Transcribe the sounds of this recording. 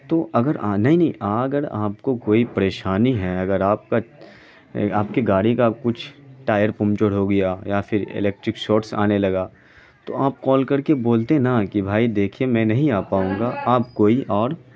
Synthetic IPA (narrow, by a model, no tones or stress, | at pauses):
t̪oːʔɐɡəɾanɐɦĩnɐɦĩʔaːɡəɾa̰ːpkokoːipɐɾeːʃaːniɦɛɐɡəɾaːp̚ka | aːpkiɡaːɽikakʊt͡ʃʰʈaːjəɾpʊ̃mt͡ʃəɽ̤ɦoɡɐjajafʰɪɾɪ̰lɛːk̚ʈɾɪkʃoːɾsa̰ːnelɐɡaː | t̪o̰aːp̚kɔːlkɐɾkeboːlt̪ẽnakibʱaːid̪eːkʰiemɛ̃ːnɐɦĩaːpaːũːŋɡaʔaːpkoːiʔɔːɾ